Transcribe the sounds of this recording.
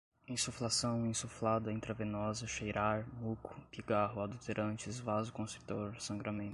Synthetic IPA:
ẽsuflasɐ̃w̃ẽsuflad̪ɐĩnt̪ɾɐvẽnɔzɐʃejɾʔaɾmukʊ̥piɡaɦʊad̪ult̪eɾʔɐ̃nt͡ʃɪzvazʊkõst̪ɾu̥t̪oɾsɐ̃ŋɡɾamẽnʊ

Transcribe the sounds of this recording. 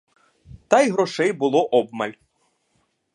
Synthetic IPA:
t̪ɑjɦɾɔʃɛjbʊlˠɔʔɔbmɐlʲ

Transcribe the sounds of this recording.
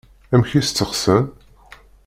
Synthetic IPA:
æmçist̪t͡sːəχsən

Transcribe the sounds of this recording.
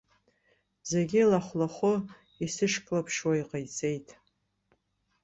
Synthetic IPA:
zeɡʲɪlaχʷlaχʷʊ | isɨʂkʼlapʰʂwaiqʼajt͡sʰʼe̞jtʼ

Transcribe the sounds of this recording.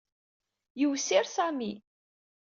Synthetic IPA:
jəwsiɾsæmi

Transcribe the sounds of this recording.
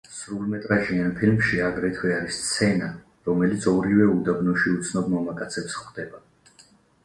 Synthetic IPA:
sɾulˠmɛt̪ʼɾaʒianpʰilmʃiaɡɾɛt̪ʰwɛaɾist̪sʰɛna | ɾɔmɛlit̪sʰɔɾivɛud̪abnɔʃiut̪sʰnɔbmɔmakʼat̪sʰɛpsχd̪ɛba

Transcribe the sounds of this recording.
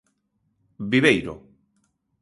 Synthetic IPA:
biβejɾo̰

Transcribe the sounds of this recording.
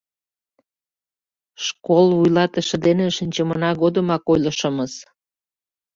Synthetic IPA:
ʃkolujlɑt̪əʃə̆d̪eneʃənʲt͡ɕəmənɑɣod̪əmɑkojləʃə̆məs

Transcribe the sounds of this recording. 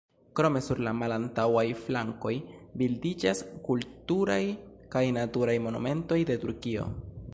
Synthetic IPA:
kɾo̞me̞suɾlamalantawajflaŋko̞jbildid͡ʒaskultuɾaj | kajnatuɾajmo̞nṵme̞nto̞jde̞tuɾkio̞̰

